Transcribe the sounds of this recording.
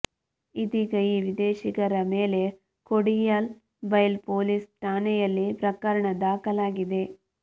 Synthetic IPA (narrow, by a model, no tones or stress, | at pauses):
it̪iɡɐjiʋid̪eːʃiɡɐɾɐmeːle̞ | koɽijɐl | bɐjlpoːlisʈaːnɛjɐlːipɾɐkɐɾɐɳɐd̪aːkɐlaːɡid̪e̞